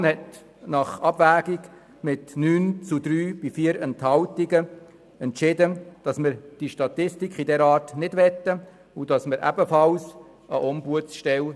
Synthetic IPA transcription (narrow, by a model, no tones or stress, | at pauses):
nhɛt | nɑχɑb̥væːɡik | mɪtnyːnt͡sud̪ɾyːb̥ifiːəɾɛnthɑltiɡə | ɛntʃɪdəd̥ɑsmɪɾd̥iʃtɑt̪ɪstikχidɛɾɑːrtnɪdʋɛt̪ːə | ud̥ɑsməɾʔæ̰bəfɑls | əʔɔmbuəsʃtɛl